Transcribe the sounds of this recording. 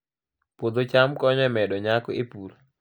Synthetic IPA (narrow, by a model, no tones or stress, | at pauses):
pod̪ot͡ʃamkɔɲɛmɛdɔɲakɔepuɾ